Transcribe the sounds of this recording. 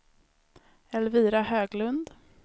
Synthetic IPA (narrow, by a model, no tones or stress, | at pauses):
ɛlviːɾahøːɡlɵnd̪